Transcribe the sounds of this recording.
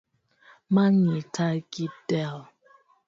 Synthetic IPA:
maɲitʰaɡidɛl

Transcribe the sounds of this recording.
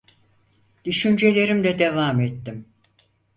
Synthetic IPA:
d̪̥yʃynd͡ʒe̞lʲe̞ɾimd̪ɛd̪evaːmet̪ːim

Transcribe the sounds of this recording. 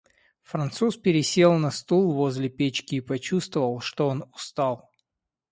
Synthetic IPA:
fɾɐnt̪suspʲɪɾʲɪsʲe̞lˠnɐst̪ulˠvo̞zʲlʲɪpʲet͡ɕkʲɪːpɐt͡ɕust̪vəvəlˠʂt̪oonʊst̪alˠ

